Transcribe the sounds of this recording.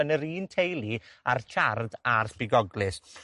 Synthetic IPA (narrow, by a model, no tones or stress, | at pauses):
ənəɾiːntʰejlˠiartʰardarspɪɡɔɡlˠɪs